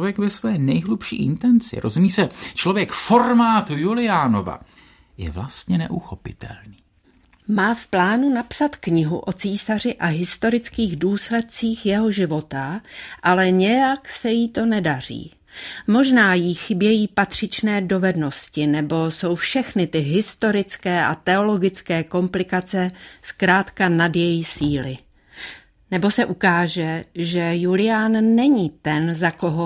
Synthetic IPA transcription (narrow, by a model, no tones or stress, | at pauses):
vjɛkvɛsvɛːnɛjɦlupʃḭːʔɪ̰nt̪ɛnt͡sɪ̰ɾozumiːsɛt͡ʃlovjɛkfo̞rmaːt̪julɪaːnova̰ | jɛ̰vlast̪ɲɛnɛʔuxopɪt̪ʰɛ̰lniː | maːfplaːnunapsat̪kɲɪɦṵʔo̞t͡siːsar̝ɪʔaɦɪst̪o̞ɾɪt͡skiːɣduːslɛt̪̚t͡siːxjɛɦo̞ʒɪvo̞t̪aʔalɛɲɛjaksɛjiːt̪o̞nɛdar̝ḭː | mo̞ʒnaːjiːxɪbjɛjiːpat̪r̝̥ɪt͡ʃnɛːdo̞vɛdno̞scɪnɛbo̞so̞wfʃɛxnɪt̪ɪɦɪst̪o̞ɾɪt͡skɛːʔa̰t̪ɛo̞lo̞ɡɪt͡skɛːko̞mplɪkat͡sɛskɾaːt̪kanadjɛjisiːlɪ | nɛbo̞sɛʔukaːʒɛʒɛjulɪjaːnːɛɲiːt̪ɛnzako̞ɦo